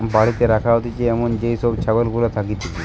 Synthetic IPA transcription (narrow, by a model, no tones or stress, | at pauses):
baɽit̪eɾakʰaɦot̪it͡ʃeɛmond͡ʑejsɔbt͡ʃʰabelɡulat̪ʰakit̪ʰiki